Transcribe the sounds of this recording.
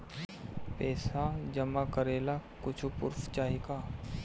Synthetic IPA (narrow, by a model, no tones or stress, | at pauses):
pɛːsad͡ʒɐmakəɾeːlakʊt͡ʃʰupʊ̰ɾft͡ʃaːɦika